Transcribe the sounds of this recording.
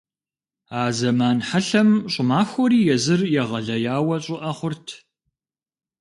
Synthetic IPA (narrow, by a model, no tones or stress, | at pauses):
aːzɐmaːnħaɬɐmɕʼʊmaːxʷɔɾiːjɛzɨrjɛʁɐɮɐjaːwɐɕʼɪʔɐχʷʊrtʰ